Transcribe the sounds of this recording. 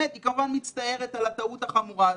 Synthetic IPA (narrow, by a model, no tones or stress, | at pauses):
et̪ikamuvanmit͡st̪ae̞ʁet̪alat̪aut̪aχamuʁa